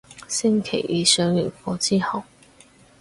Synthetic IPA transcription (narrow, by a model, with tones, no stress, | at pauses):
sɪ˥ŋkʰe˨˩jiː˨˧sœː˨˥ŋjy˨˩fɔː˧t͡siː˥hɐ˨˩w